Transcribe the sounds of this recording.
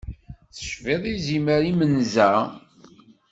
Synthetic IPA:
θə̥ʃveðˤiziməɾimənzæ

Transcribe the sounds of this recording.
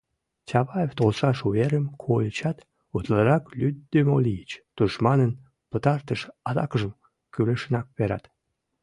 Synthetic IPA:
t͡ɕʲɑβɑjeft̪olʃɑʃuβeɾəmkʰot͡ɕɑt̪ | ut̪ləɾɑklyd̪ːømolijət͡ɕt̪uʃmɑnən | pət̪ɑrt̪əʃɑd̪ɑkəʒəm | kyleʃənɑk̚βeɾɑ̰t̪

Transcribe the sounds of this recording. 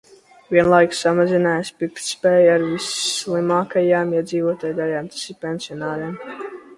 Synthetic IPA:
vʲiɛnlˠajksamazinaːjspik̪spɛːjaɾvisslˠimaːkajaːmiɛd̪ziːvuɔt̪aːjd̪alʲaːmt̪ḁsiɾpʲɛnsiɔnaːɾɛm

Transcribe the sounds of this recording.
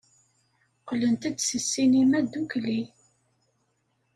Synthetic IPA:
qlənt̪æd̪səsːinimæd̪ukli

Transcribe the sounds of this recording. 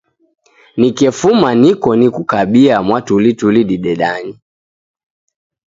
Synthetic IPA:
nikɛfumanikɔnikukaɓiamwatulituliɗiɗɛɗani

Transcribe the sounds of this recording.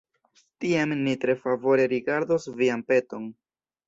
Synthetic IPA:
tiamːitɾe̞favo̞ɾe̞ɾiɡaɾdosviampe̞to̞n

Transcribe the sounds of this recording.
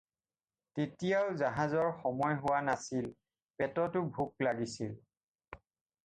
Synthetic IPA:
tetijaʊzaɦazɔɹxɔmɔjɦʊwanasil | pɛtɔtʊbʱuk̚laɡisil

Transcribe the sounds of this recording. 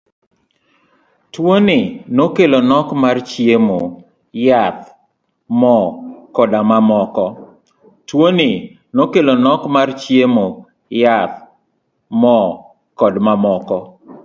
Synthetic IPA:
twonɪnokelonɔkmart͡ʃjemo | jat̪ | mɔkɔdamamɔkɔ | twoni | nokelonɔkmart͡ʃjemo | jat̪̚ | mɔ | kɔdmamɔkɔ

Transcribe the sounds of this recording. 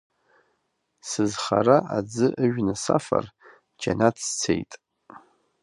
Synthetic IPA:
sɨzχaraʔad͡zɨʔɨʒᶣnɨsafa̰r | d͡ʒanatʰt͡sʰejtʼ

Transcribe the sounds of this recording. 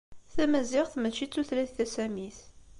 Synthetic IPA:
θæmæzɪʁθmət͡ʃːit͡sːuθlæθθæsæmiθ

